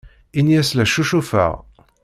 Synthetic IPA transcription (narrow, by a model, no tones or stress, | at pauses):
injæslæʃuʃufə̰ʁ